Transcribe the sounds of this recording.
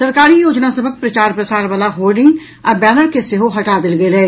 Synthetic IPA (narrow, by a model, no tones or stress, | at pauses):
sɐɾkaːɾijoːd͡ʒnasɐbʱək̚pɾɐt͡ʃaːɾpɾɐsaːɾʋaːlaɦoːlɖɪ̃ŋɡ | ɐbɛːnəɾkeseːɦoɦɐʈad̪ɪlɡelɛː